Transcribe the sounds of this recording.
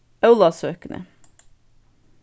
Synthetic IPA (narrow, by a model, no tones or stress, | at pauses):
œʉlɑsøːkənə̰